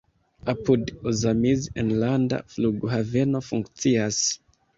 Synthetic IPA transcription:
apʰudozamizenlanda̰fluɡhavenofuŋkt͡sias

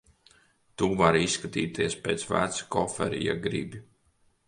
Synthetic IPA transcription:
t̪uːvaɾisːkat̪iːt̪iɛspeːt̪svæ̰ːɾt̪skɔfɛ̰ɾḭja̰ɡɾḭbi

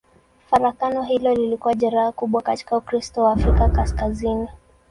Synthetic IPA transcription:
faɾakanɔɦilɔlilikuwaʄaɾaakuɓwakati̥kaukɾistɔwaːfɾikakaskazini

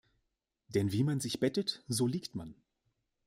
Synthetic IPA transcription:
d̥ɛnviːmanzɪçb̥ɛtətz̥oːliːktman

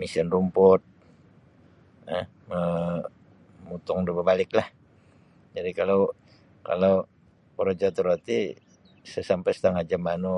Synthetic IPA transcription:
misandumpʊt̪̚ | ə | ə | mut̪ʊŋdəbəbalɪklah | d͡ʒadikalow | ka̰low | pəɾod͡ʒat̪uɾot̪i | səsampasə̥t̪aŋad͡ʒamanu

